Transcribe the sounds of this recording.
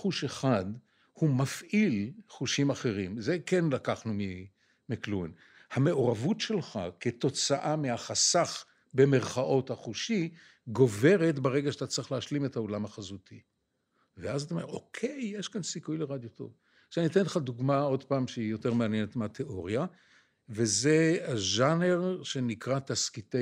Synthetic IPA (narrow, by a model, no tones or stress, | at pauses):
χuʃe̞χad̪ | humafʔilχuʃimaχe̞ʁimze̞ke̞nlakaχnumi | mikluin | hame̞o̞ʁavutʃe̞lχa̰ket̪o̞t͡saʔamehaχasaχ | be̞me̞ʁχaʔo̞thaχuʃi | ɡo̞ve̞ʁe̞t̪beʁe̞ɡaʃat̪at͡sʁiχleaʃlime̞thaolamaχazut̪ʰi | veazat̪aomeʁʔokʰe̞jːeʃkansikujleʁad̪joto̞̰v | ʃanit̪enleχad̪uɡmao̞d̪paːmʃeijo̞teʁmeanjenet̪meat̪ʰeʔo̞ʁja | ve̞ze̞aʒane̞ʁʃe̞nikʁat̪askite